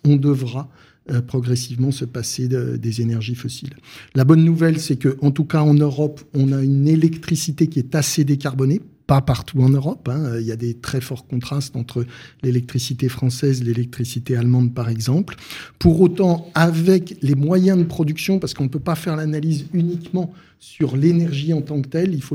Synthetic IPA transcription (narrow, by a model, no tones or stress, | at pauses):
ɔ̃d̪əvʁa | øpχɔɡʁɛsivmɑ̃səpaseø̰d̪ezenɛʁʒifɔsilːabɔnːuvɛlsɛkəʔɑ̃t̪ukaɑ̃nøʁɔpɔ̃naynelɛkt̪χisit̪ekʲiɛt̪ased̪ekaʁbɔnepapaʁt̪ʰuɑ̃nøʁɔpɛ̃øiljad̪et̪χɛfɔʁkɔ̃t̪χast̪ɑ̃t̪χəlelɛk̚t̪χisit̪efχɑ̃sɛzlelɛk̚t̪χisit̪ealmɑ̃d̪̚paʁɛɡzɑ̃plpuʁot̪ɑ̃avɛklemwajɛ̃d̪əpχɔd̪yksjɔ̃paʁsə̥kɔ̃pøpafɛʁlanalizynikmɑ̃ | syʁlenɛʁʒiɑ̃t̪ɑ̃kt̪ɛlilfo